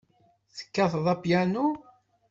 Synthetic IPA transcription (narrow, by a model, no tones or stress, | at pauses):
θə̥kːɑθðˤɑpjænu